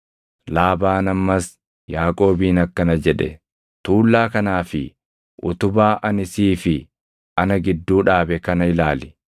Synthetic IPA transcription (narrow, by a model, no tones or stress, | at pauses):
laːbaːnɐmːɐs | jaːkʼo̞ːbiːnɐkːɐnɐd͡ʒɛᶑɛ̰ | t̪uːlːaːkɐnaːfɪ | ʔʊ̰t̪ʊbaːʔɐnɪsiːfɪ | ʔɐnɐɡɪd̪ːuːᶑaːbɛkɐnɐɪlaːlɪ̥